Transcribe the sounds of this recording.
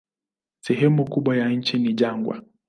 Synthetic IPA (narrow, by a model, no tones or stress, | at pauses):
sɛɦɛmukuɓwajaɲ̩t͡ʃiniʄaŋɡwa̰